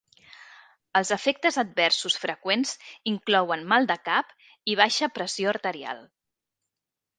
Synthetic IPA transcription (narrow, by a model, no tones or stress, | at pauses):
əlˠzəfek̚t̪əzəd̪̚bɛrsusfɾəkwenz̥iŋklɔwənmalˠd̪əkap | iβ̞aʃəpɾəsioəɾt̪əɾia̰lˠ